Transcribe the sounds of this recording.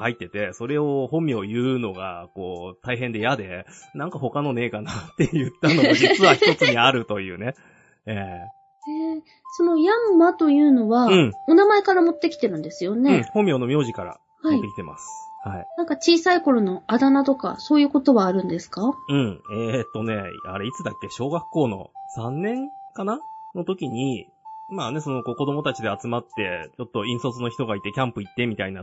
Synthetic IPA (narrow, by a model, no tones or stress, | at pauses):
kait̪ːe̞t̪e̞so̞ɾe̞ohõ̞mʲːio̞jɯ̟ːno̞ɡa̰ko̞ːt̪aiɦẽ̞nd̪e̞jad̪e̞ | nãŋkaho̞kano̞ne̞ːkanat̪ːe̞jɯ̟t̪ːano̞d͡ʑit͡sɨβaçt̪o̞t͡sɨɲ̟iaɾɯ̟t̪o̞jɯ̟̰ːne̞ | eː | eː | so̞no̞jamːat̪o̞jɯ̟ːno̞βaɯ̟̃ɴo̞namae̞kaɾamo̞t̪ːe̞kʲi̥t̪e̞ɾɯ̟̃nd̪e̞sɨjo̞nẽ̞hõ̞mʲːio̞nomʲjo̞ːʑikaɾa̰ | hamotiːekʲi̥t̪e̞mʔa̰sɨ̥hainãŋkat͡ɕiːsaiko̞ɾo̞no̞ad̪anat̪o̞ka̰so̞ːjɯ̟ːko̞t̪o̞βaːɾɯ̟̃nd̪e̞sɨ̥kaɯ̟̃ɴet̪ːo̞ne̞a̰ɾeit͡sɨd̪akːe̞ɕo̞ːɡakːo̞ːno̞̰sãnːẽ̞ŋkanano̞t̪o̞kʲiɲ̟i | maːne̞so̞no̞ko̞ːko̞d̪o̞mo̞t̪at͡ɕid̪e̞at͡sɨmat̪ːe̞t͡ɕo̞t̪ːo̞ĩɰ̃so̞t͡sɨno̞çi̥t̪o̞ɡait̪e̞kʲãmpɯ̟it̪ːe̞mʲit̪aina